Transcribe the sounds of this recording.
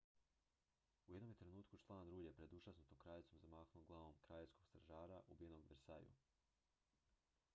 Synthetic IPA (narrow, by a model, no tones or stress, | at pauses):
uje̞d̪nomjet̪ɾe̞nuːt̪kut͡ʃlˠaːnɾuːʎepɾe̞d̪uʒasnut̪omkɾaːʎet̪somzamaːxnuɡlˠaʋomkɾaʎesko̞ɡ̥st̪ɾaʒaːɾaʔubije̞noɡbɾsa̰jṵ